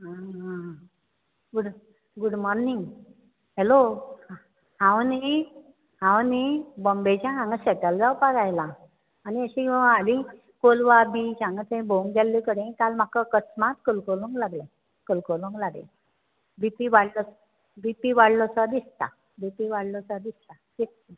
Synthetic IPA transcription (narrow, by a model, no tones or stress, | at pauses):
ɦãɦã | ɡuɽ | ɡuɽmɔɾniŋɡ | ɦelo | hãwni | hãwnibɔmbet͡ɕãɦãŋɡəɕɛʈəld͡zaupaɾajlaː | niəɕĩali | kolʋabid͡ʑãŋɡət͡s̪ẽboŋkɡalːikəɽẽkalm̤akakət͡smat̪kəlkolũŋklaɡlẽ | kəlkoluŋklaɡḛ̃ | bipiʋaɽlɔ | bipiʋaɽlɔsəd̪ist̪a | bipiʋaɽlɔsəd̪ist̪atit